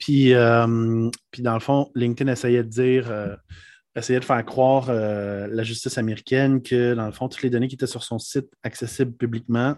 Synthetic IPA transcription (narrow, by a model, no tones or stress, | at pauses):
pʰiœmpid̪ɑ̃ləfɔ̃lĩŋt̪ɛnɛsɛjɛd̪əd̪iːʁø | ɛsɛjɛd̪əfɛːʁkχwɑːʁølaʒyst̪ɪsameʁikʲɛnkʲʰəd̪ɑ̃ləfɔ̃t̪u̥t̪led̪ɔnek̬ʲet̪ɛsyʁsɔ̃sɪt̪aksɛsɪblpyblikmɑ̃